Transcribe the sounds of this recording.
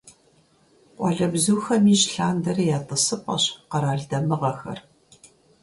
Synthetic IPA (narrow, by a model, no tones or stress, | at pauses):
qʷʼɑɮɐbzuːxɐmiːɕɬaːndɐrjaːtʼɨsɨpʼɐ̰ɕqɐɾaːɮdɐmɨʁɐxɐ̰r